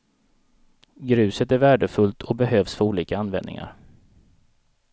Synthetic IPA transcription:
ɡɾʉ̟ːsət̪æɾvæːɖəfɵlt̪ʰɔbɛɦøːvsfœɾuːliːkaanvɛ̰nɪ̰ŋa̰ɾ

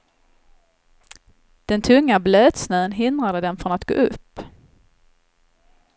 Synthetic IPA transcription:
d̪̥ɛnt̪ʰɵŋːabløːt̪snœːənɦɪnd̪ɾad̪əd̪ɛnfɾɔnat̪ɡ̥o̰ːʔɵpː

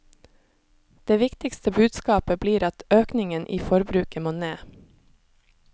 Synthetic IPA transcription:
d̪̥eːʋɪkt̪ɪkst̪əbʉːd̪skɑːpəbliːɾɑt̪øːknɪŋənʔḭːfɔɾbɾʉːkəmoːneː

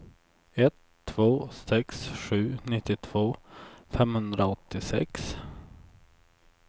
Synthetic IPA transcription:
ɛt̪ʰːv̥oːsɛksɧʉ̟ːnɪt̪ːɪt̪ʰv̥oːfɛmhɵnd̪ɾaɔt̪ːɪsɛ̰ks

